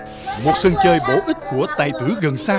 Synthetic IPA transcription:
mo˨˩t̚sə˧ŋt͡ɕəː˧jɓo˨˦ʔi˦˥t̟̚ku˧˩ət̪a̰ː˨˩jt̪ɨ˨˦ɣə˨˩nsaː˧

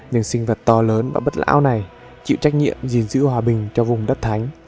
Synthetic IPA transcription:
ɲɨ̰˧˩ŋsï˧ŋ̟və˨˩t̚t̪ɔ˧ləː˨˦nvaː˨˩ɓə˦˥t̚la̰ː˧˥wna˨˩j | t͡ɕḭ˧˨wt͡ɕa˦˥k̟̚ɲḭ˧˨əmzi˨˩nzɨ̰˧˥ɦwaː˨˩ɓï˨˩ŋ̟t͡ɕɔ˧vʊ˨˩ŋ͡mɗə˦˥t̚t̪ʰa˨˦jŋ̟

